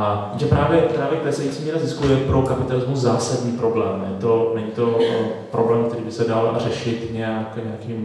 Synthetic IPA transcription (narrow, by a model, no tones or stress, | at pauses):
aiʒɛpɾaːvjɛpɾaːvjɛk̚pɾɛsɛjit͡siːmiːɾazɪskujɛpɾokapɪt̪alɪzmuzzaːsadɲiːpɾo̞blɛːmnɛ̰ɲt̪o̞nɛɲit̪o̞pɾo̞blɛːmk̚t̪ɛɾiːbɪsɛdalrɛʃɪt̪ɲɛakɲɛakiːm